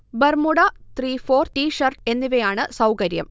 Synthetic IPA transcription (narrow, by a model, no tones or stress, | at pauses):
bɐrmuɽɐt̪riːfo̞ːrʈiːʂɐrʈe̞nːiʋɐjaːɳɨsɐwkɐɾjɐ̰m